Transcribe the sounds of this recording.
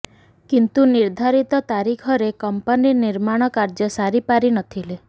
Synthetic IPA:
kint̪uniɾd̪ʱaɾit̪ɔt̪aɾikʰɔɾekɔmpaniniɾmaɽ̃ɔkaɾd͡ʒɔsaɾipaɾinɔt̪ʰile

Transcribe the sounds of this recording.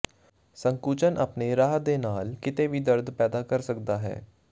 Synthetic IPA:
səŋkuːt͡ʃənʔəpneːɾaːɦd̪eːnaːlkɪt̪eːʋiːd̪əɾd̪pɛːd̪aːkəɾsəkd̪aːɦɛ̰ː

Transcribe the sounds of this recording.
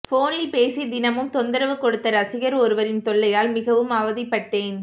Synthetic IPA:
foːnɪlpeːsid̪ɪnɐmɯmt̪ɔnd̪ɐɾɐʋɯkɔɽɯt̪ːɐɾɐsɪɣɐɾɔɾɯʋɐɾɪnt̪ɔɭːɐjaːlmɪɣɐʋɯmɐʋɐðɪpːɐʈːeːn

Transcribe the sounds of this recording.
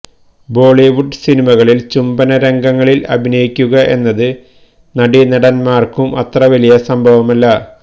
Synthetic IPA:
bo̞ːɭiʋuɖsinimɐɣɐɭilt͡ɕumbɐnɐɾe̞ŋɡɐŋːɐɭilɐbʱinɐjikʲːuɣɐʔe̞nːɐðɨ | nɐɽinɐɽɐnmaːrkumʔɐt̪rɐʋɐlijɐsɐmbʱɐʋɐmɐlːɐ

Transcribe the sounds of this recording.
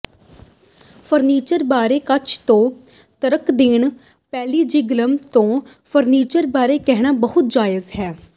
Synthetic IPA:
pʰəɾniːt͡ʃəɾbaːɾeːkət͡ʃʰt̪õː | t̪əɾəkd̪ɪɳ | pɛːliːd͡ʒɪɡləmt̪õː | pʰəɾniːt͡ʃəɾbaːɾeːkɛɦɽaːbəɦʊt̪̚d͡ʒaːjɪzɦɛː

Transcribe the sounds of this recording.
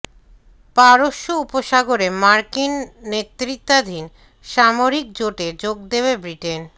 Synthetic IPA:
paɾoʃːoupoʃaɡoɾemaɾkinːet̪ːɾit̪ːad̪ʱin | ʃamoɾik̚d͡ʑoʈed͡ʑoɡ̚d̪ebebɾiʈen

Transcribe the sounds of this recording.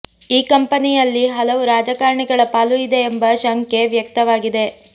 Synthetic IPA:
iːkɐmpɐnijɐlːiɦɐlɐʋuɾaːd͡ʒɐkaːɾɳiɡɐɭɐpaːluid̪e̞ːmbɐʃaŋkeʋjɐk̚t̪ɐʋaːɡid̪e̞

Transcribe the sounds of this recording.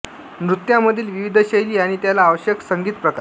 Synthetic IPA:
nɾut̪jaməd̪ʱiːlʋiʋid̪ʱəɕəjliːaɽ̃it̪jalaːʋəɕjəksəŋɡiːt̪pɾəka

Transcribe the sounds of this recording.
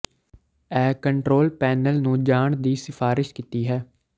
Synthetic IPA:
ɛːkəɳʈɾoːlpɛːnəlnũːd͡ʒaːɳd̪iːsɪfaːɾɪʃkit̪iːɦɛː

